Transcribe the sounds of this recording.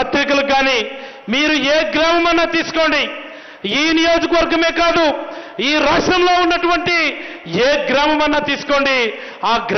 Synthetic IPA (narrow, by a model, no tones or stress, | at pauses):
ɐt̪ɾikɐluɡaːniː | miːɾueːɡɾaːmɐmɐnːaːt̪iːsu̥ko̞ːɳɖi | iːnijo̞ːd͡ʒɐkɐʋɐɾɡɐme̞ːkaːd̪uiːɾaːʂʈɐmlo̞ːunːɐʈuʋɐɳʈi | eːɡɾaːmɐmɐnːaːt̪iːsu̥ko̞ːɳɖi | aːɡɾ